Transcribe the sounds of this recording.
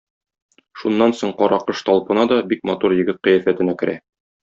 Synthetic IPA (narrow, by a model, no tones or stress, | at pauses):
ʃunːɑnsoɴqɒɾɑqɤʃt̪ɒlˠpɤ̆nɑd̪ɒbik̚mɒt̪uɾjɘ̆ɡɘt̪̚qɤ̆jæfæt̪ɘ̆nækɘ̆ɾʔæ̰